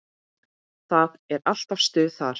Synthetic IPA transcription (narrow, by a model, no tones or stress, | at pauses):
θaðɛɾal̥t̪av̥st̪ʏːðθaɾ̥